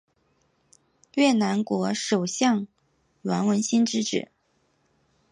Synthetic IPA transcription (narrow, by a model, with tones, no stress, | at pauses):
ɥɛ˥˩na˧˥nkwɔ˧˥ʂo˨˩ʊɕjɑ˥˩ŋ | ɥwa˧˥nwə˧˥nɕi˥nʈ͡ʂɻ̩˥ʈ͡ʂɻ̩̰˨˩˦